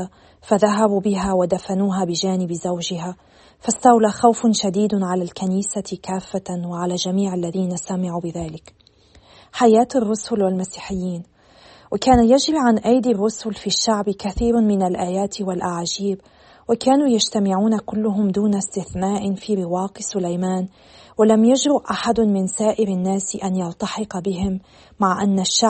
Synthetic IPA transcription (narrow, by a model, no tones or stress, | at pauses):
a | faðaɦabubɪɦawɪd̪afanuːɦabɪʒaːnɪbzawʒɪɦa | fast̪awlaxawfʃad̪iːd̪ʕalalkaniːsakaːfːaanwɪʕalaʒamiːʕalːaðiːnasamaʕubɪðaːlɪk | ħajaːt̪arˤːʊsʊlwɪlmasi̥ːħɪjːiːn | wʔɪkaːnajaʒɾiʕanʔajd̪irˤːʊsʊlfiʃːaʕbkaθiːɾmɪnalʔaːjaːt̪walʔaʕd͡ʒiːb | wɪkaːnujad͡ʒt̪amɪʕuːnakʊlːʊɦʊmd̪uːnast̪ɪθnaːʔɪnfiːɾɪwɑːqɪsʊlajmaːn | walamjaʒɾʊʔʔaħad̪ʊmɪnsaːʔɪɾanːaːsʔanjɑlt̪ˤɑħɪqbɪɦɪmː | aʕʔanːaʃːa